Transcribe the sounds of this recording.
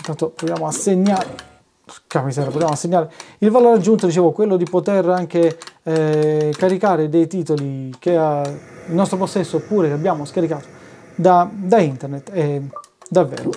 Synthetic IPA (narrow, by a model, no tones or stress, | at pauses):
int̪ant̪opot̪jamoasːeɲːaɾe | kamisɛːɾapot̪jamoasːeɲːaːɾeilvaloːɾad͡ʒːunt̪od̪it͡ʃeːvokwelːod̪ipot̪eraŋk̟e | skaɾikaːɾed̪ejt̪iːt̪olikeailnɔst̪ɾoposːɛsːopːuːɾekabːjaːmoskaɾikaːt̪o̥ | d̪ad̪aint̪ernet̪ːe | d̪avːɛ̰ːɾo̰